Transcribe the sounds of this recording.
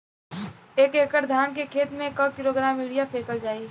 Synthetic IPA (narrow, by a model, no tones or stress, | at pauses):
eːkeːkəɾd̪ʱaːnkekʰeːt̪mẽkəkiɾoːɡɾaːmiːɽijapʰeːkəld͡ʒaːie